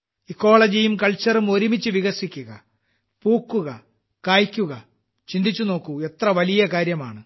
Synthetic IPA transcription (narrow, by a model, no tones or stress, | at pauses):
ikːo̞ːɭɐd͡ʑijumkɐɭt͡ɕːɐrumo̞ɾimit͡ɕːɨʋiɣɐsikʲːuɣɐ̰ | puːkːuɣɐ | kaːjkʲːuɣɐ | t͡ɕind̪it͡ɕːuno̞ːkːue̞t̪rɐʋɐlijɐkaːɾjɐma̰ːɳɨ